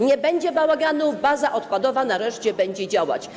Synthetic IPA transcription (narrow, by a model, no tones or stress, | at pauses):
ɲɛbɛɲd͡ʑɛbawaɡanubazaʔɔt̪pad̪ɔvanaɾɛʂt͡ɕɛbɛɲd͡ʑɛd͡ʑawa̰t͡ɕ